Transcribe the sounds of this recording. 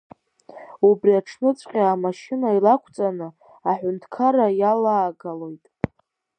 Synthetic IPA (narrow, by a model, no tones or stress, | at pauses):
ubriaʈ͡ʂʰnɨt͡sʷʼqʲʼaamaʃinailakʷʰt͡sʼanɨ | aħʷᶣʊntʰkʰaɾajalaːɡalo̞jtʼ